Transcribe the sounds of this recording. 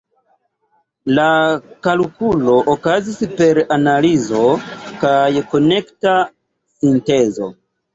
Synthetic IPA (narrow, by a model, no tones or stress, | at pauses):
lakalukulo̞ʔokazispe̞ɾanalizo̞kajko̞ne̞kta | sinte̞zo̞̰